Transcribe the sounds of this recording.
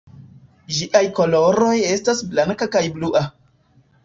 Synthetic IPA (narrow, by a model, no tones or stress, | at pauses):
ʒiʔajkoloɾo̞je̞stasblaŋkakajbluʔa